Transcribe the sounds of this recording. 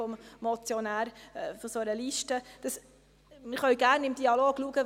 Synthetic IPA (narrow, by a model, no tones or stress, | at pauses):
ɔmmɔt͡sjɔnæːɾfɔsoəɾəliʃtəd̥ɑs | mɪχœʏɡæɾnɪmd̥iɑloːɡ̥luəɡ̥ə